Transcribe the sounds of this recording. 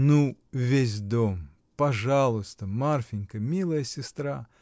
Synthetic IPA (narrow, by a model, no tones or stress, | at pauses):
nuvʲesʲd̪om | pɐʐalˠʊst̪əmarfʲɪnʲkəmʲilˠəjəsʲɪst̪ɾa